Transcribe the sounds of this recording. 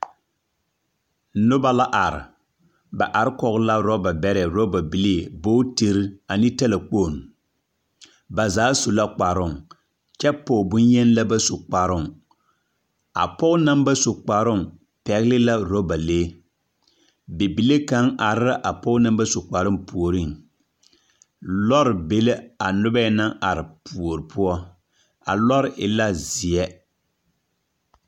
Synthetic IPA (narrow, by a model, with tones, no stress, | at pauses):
nʊ˦ba˦la˦ʔa˨ɾɪ̰˨ | ba˨ʔa˨ɾɪ˦kɔ˨ɣla˦ɾɔ˦ba˨bɛ˦ɾɛ˨ɾo˦ba˨bi˨le˦˨boː˦te˨ɾi˦a˨ni˦tɛ˦la˨k͡poː˦˨n˨ | ba˨zaː˨˦so˨la˦k͡pa˨ɾʊ˦˨ŋ | t͡ʃɛ˦pːoː˨bʊ˦njɛ˦nla˦ba˦so˨k͡pa˨ɾʊ˦˨ŋ | a̰˨pɔ˦kna˦mba˦so˨k͡pa˨ɾʊ˦ŋ | pɛ˨ɣlɪ˦la˦ɾo˦ba˨leː˦ | bɪ˨bi˨le˦ka˨˦ŋa˨ɾɪ˦ɾa˦ʔa˨pɔ˦ʊ˦na˦mba˦so˨k͡pa˨ɾɪ˦mpu˨o˨ɾi˦˨ŋ | lɔ˦ɾɪ˨be˨le˦a˨nʊ˦ba˦ɛ˦na˦ŋa̰˨ɾɪ˨pu˨o˨ɾɨ˨pʰʊ˦ɔ˦ | a̰˨lɔ˦ɾɪ˨ʔɪ˨la˦zɪ˨ɛ˦